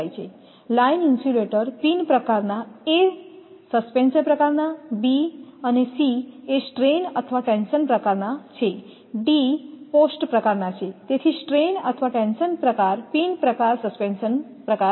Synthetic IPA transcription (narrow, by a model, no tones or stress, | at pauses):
jt͡ʃʰe | laininsuleʈəɾpinpɾəkaɾnae | səspensənpɾəkaɾnabiənesiesʈɾenət̪ʰəʋaʈenʃənpɾəkaɾnat͡ʃʰe | ɖiposʈpɾəkaɾnat͡ʃʰet̪et̪ʰisʈɾenə̰t̪ʰəʋaʈensənpɾəkaɾpinpɾəkaɾsəspensən | pɾəka